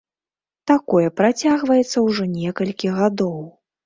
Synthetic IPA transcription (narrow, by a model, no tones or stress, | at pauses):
t̪akɔjɛpɾat͡sʲaɣvɐjɛt̪sːɐwʐɔnʲɛkɐlʲkʲiɣad̪ɔw